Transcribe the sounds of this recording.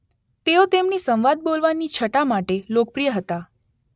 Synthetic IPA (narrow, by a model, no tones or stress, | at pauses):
t̪eot̪emnisə̃mʋad̪̚bolʋanːit͡ʃʰəʈamaʈelok̚pɾijəɦət̪a